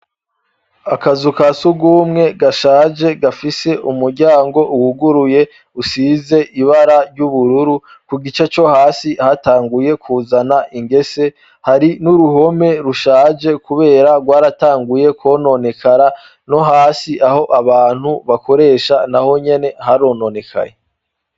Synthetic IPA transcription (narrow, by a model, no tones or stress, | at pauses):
akazukasuɡuːmŋe̞ɡaʃaːd͡ʒe̞ɡafise̞ʔumuɾɟaːŋɡo̞ʔuhuɡuɾuje̞ | usize̞ʔiβaɾaɾɟuβuɾuɾu | kuɡit͡ʃet͡ʃo̞haːsihataːŋɡuje̞kʰuːzanaʔiŋɡe̞se̞ | haɾinuɾuɦo̞me̞ɾuʃaːd͡ʒe̞kuβe̞ːɾaɡwaːɾataːŋɡuje̞kwo̞ːno̞ne̞kʰaɾa | no̞ɦaːsiʔaho̞ʔaβaːn̥huβako̞ɾe̞ːʃanaho̞ɲe̞ne̞haɾo̞ːnone̞kʰa̰je